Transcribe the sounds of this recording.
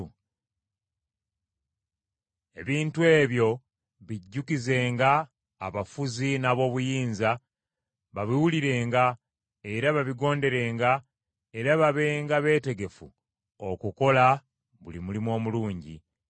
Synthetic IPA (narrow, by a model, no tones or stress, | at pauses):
e̞̰βiːntue̞ːβjo̞ | βiɟːukize̞ːŋɡa̰ː | βafuzinaβo̞ːβujiːnza | βaβiwuliɾe̞ːŋɡa | e̞ɾaβaβiɡo̞ːnde̞ɾe̞ːŋɡa | e̞ɾaβaβe̞ːŋɡaβe̞ːte̞ɡe̞fṵ | okuko̞la | βulimulimo̞ːmuluːɲɟḭ